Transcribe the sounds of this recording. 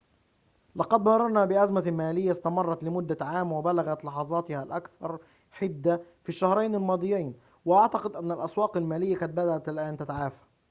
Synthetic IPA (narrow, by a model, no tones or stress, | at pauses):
lɑqɑd̪mɑɾˤɑɾˤnabɪʔazmamaːlɪjːast̪amɑrˤːɑt̪lɪmʊd̪ːaʕaːmwɪbalaɣat̪lɑħɑzˤɑːt̪ɪhalʔakθɑɾˤ | ħɪd̪ːafiʃːahɾˤɑjnɪlmɑːd̪ˤɨjːajn | wɪʔaʕt̪ɑqɪd̪ʔanːalʔɑswɑːqalmaːlɪjːaqɑt̪̚bad̪aʔat̪ɪlʔaːnt̪at̪aʕaːfḁ